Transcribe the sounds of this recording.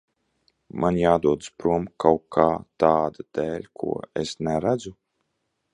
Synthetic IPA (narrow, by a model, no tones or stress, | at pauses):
mʔanjaːd̪uɔd̪spɾuɔmkawkʰːaːt̪aːd̪ad̪̥ɛːlʲkʰṵɔesnɛɾæd̪zu